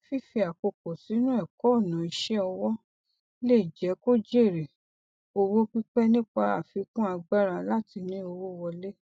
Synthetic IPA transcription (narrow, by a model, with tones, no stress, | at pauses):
fi˦fi˧a˨ko˧kɔ˨si˨˦nũ˦ɛ˦˨kɔ˨˦o˦˨nã˨i˧ʃɛ˦ɔ˧wɔ˦ | le˦i˨d͡ʒɛ˨˦ko˦d͡ʒe˦˨ɾe˨ | o˧wo˦k͡pi˦k͡pɛ˦nĩ˦k͡pa˧a̰˨fi˧kũ˦a˧ɡ͡ba˦ɾã˧la˦ti˧nĩ˦o˧wo˦wɔ˧le˦